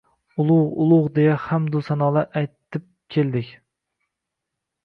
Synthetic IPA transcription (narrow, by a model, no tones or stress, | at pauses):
ʊlˠʊʁʊlˠʊʁd̪ejahamd̪ʊsanɒlˠaʔajt̪ʰːɪp̚kʲʰe̞ld̪ɪkʲ